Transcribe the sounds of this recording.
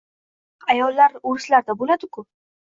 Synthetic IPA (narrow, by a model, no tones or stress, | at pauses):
ajɒlːaɾoɾɪslaɾd̪abolad̪ɪkʰʊ